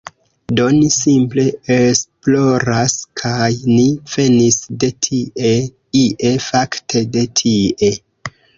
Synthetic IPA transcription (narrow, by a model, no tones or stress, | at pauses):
do̞nisimple̞esplo̞ɾaskʰajniv̥e̞nisde̞tʰiʔe | iʔe̞faktʰe̞de̞tʰiʔe̞